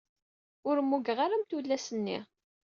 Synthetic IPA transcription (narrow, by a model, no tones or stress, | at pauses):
ʊɾəmːuɡəʁaɾamt̪ulːæsənːḭ